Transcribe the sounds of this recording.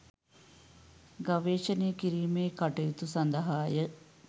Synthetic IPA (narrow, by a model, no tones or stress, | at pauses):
ɡɐʋeːʃɐnejkiɾiːmeːkɐʈɐjut̪usɐnd̪ɐɦaːjə